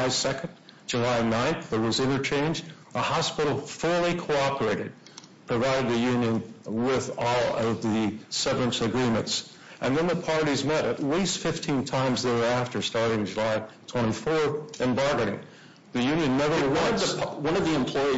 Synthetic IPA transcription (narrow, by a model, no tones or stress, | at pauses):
ɪ̥sɛkɨ̃n̩̥d͡ʒ̥ɨlaɪnãɪ̃nθðə˞wʌzɪ̃ɾ̃ə˞t͡ʃʰẽɪ̃nd͡ʒ | əhɑspɪɾl̩ˠfɜ˞lˠikʰoʊɑpə˞eɪɾɨd̚ | pʰɹ̥ɨvaɪɾɨd̪̚ðɨjʉ̃njɨ̃nwɪðɔlˠʌvðɨsʌvɹɨ̃nsɨɡɹĩmɨ̃nts | ʔɨ̃nðɨ̃nðəpʰɑɹɾizmɛɾɨtˡlistfɪftʰĩntʰãɪ̃mzðə˞æftə˞stɑɹɾɪ̃ŋd͡ʒɨlaɪtʰw̥ɛ̃ɾ̃ifɔɹθɨ̃mbɑɹɡɨɾɪ̰̃ŋ | ðɨjʉ̃njɨ̃nːɛvə˞wʌ̃ðwʌ̃nʌvðiɨ̃mpʰl̥ɔɪ